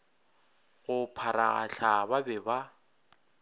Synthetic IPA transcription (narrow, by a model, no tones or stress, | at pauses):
ɣʊpʰaɾaɣa̰ɬʰababɛba